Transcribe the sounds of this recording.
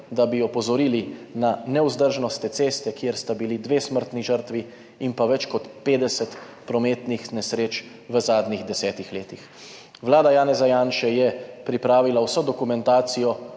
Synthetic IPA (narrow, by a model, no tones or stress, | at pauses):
d̪abiɔpɔzɔɾiːlinanɛuzd̪əɾʒnɔst̪ɛt̪seːst̪ɛkjeɾst̪abilid̪ʋeːsməɾt̪niʒəɾt̪ʋi | impaʋɛt͡ʃkɔt̪peːd̪ɛsɛt̪ | pɾɔmeːt̪nixnɛsɾeːt͡ʃ | ʋəzaːd̪niɣd̪ɛsɛːt̪ixleːt̪ix | ʋlaːd̪ajaːnɛzajaːnʃɛjɛpɾipɾaːʋilawsɔd̪ɔkumɛnt̪aːt̪sijɔ